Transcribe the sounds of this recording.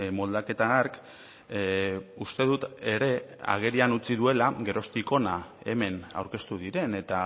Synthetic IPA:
mo̞ld̪ake̞t̪aːɾk | ust̪e̞ðut̪e̞ɾe̞a̰ɣ̞e̞ɾianut͡siðue̞laɡe̞ɾo̞st̪iko̞na | e̞̰me̞na̰wɾke̞st̪uðiɾe̞ne̞t̪a

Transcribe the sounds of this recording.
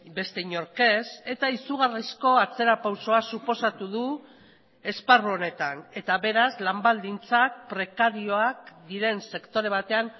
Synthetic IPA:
be̞st̪eiɲo̞ɾke̞se̞t̪aisuɣ̞arisko̞at͡se̞ɾapawso̞asupo̞sat̪uðu | e̞sparuo̞ne̞t̪ane̞t̪aβe̞ɾazlambald̪int͡sak̚pɾe̞kaɾio̞akd̪iɾe̞nse̞kt̪o̞ɾe̞β̞at̪e̞an

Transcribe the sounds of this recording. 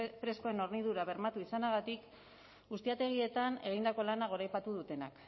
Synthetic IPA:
pɾe̞sko̞e̞no̞rniðuɾaβ̞e̞ɾmat̪uisanaɣ̞at̪ik | ɡust̪iat̪e̞ɣ̞ie̞t̪ane̞ɣ̞ind̪ako̞lanaɣ̞o̞ɾajpat̪uðut̪e̞na̰k

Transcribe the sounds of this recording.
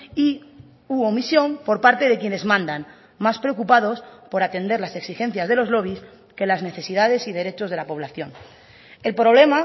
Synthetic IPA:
i | uo̞misjo̞mpo̞ɾpaɾt̪eð̞e̞kje̞ne̞zmãnd̪an | maspɾeokupað̞o̞spo̞ɾat̪e̞nd̪eɾlase̞ksixe̞nθjazðe̞lo̞zlo̞β̞is | ke̞lazne̞θe̞sið̞að̞e̞sið̞e̞ɾe̞t͡ʃo̞zð̞e̞lapo̞β̞laθjo̞n | elpɾo̞βle̞ma

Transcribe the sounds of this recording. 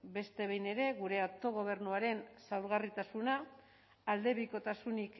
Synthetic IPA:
be̞st̪e̞βejne̞ɾe̞ɣuɾe̞ot̪o̞ɣ̞o̞β̞e̞ɾnuaɾe̞nsawɾɣarit̪asunaː | ld̪e̞βiko̞t̪asunik

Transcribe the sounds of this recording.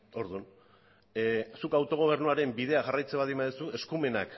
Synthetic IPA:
o̞ɾðun | sukawt̪o̞ɣ̞o̞β̞e̞ɾnuaɾe̞mbiðe̞aʝarajt͡se̞βaðimbaðesue̞skume̞nak

